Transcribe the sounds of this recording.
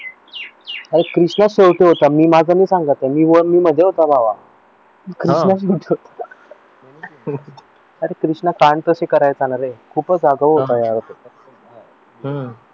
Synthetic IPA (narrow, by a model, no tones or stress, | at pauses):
aɾekɾiʂɳaɕewʈeɦot̪amiːmad͡zʱaniːsaŋɡət̪emiːʋəmiːm̤əd̪ʱːeɦot̪abaʋa | kɾiʂnaɕ̬ewʈʰeɦot̪ḁ | əɾekɾiʂɳakaɳt̪əɕekəɾajt͡sanaɾekʰuːpəd͡zaɡəʋɦot̪ajaɾot̪eəsə